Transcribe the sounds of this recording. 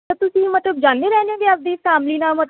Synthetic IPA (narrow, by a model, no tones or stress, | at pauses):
ət̪ʊsĩːmət̪ləb̚d͡ʒãːnd̪eːɾɛːneẽːɡeəp̚d̪iːsaːmliːnaːmət̪